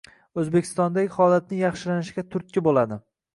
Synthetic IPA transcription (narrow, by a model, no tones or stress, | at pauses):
ɵzbekʲʰɪ̥st̪ɒnd̪aɡʲɪhɒlat̪̚nɪjɑχʃɪlanɪʃɪɡʲat̪ʰʊɾt̪̚kʲɪbolad̪ɪ